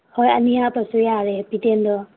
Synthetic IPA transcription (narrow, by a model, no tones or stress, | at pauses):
hɔja̰niatɔsujaɾɛbitendɔ